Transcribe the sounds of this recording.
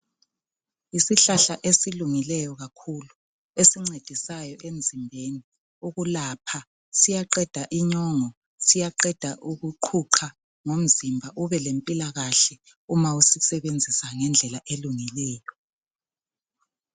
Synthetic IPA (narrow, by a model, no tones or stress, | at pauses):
isiɬaɬaʔesiluŋilɛjɔɣakʰulu | esiŋ͡ǀed̥ʱisajɔʔem̩zʱimbʱeni | uɣulaːpʰa | sijaǃɛd̥ʱaʔiɲɔŋɔ | sijaǃɛd̥ʱaʔuɣuǃʰuǃʰa | ŋom̩zimbʱaʔuβɛlempʼilaɣaɬɛ | umausisɛβend͡zʱisaŋɛnd͡ɮʱɛlaʔeluŋilɛːjɔ